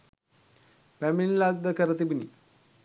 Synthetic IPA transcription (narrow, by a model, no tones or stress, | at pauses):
pæminlaɡ̚d̪əkəɾət̪ibinḭ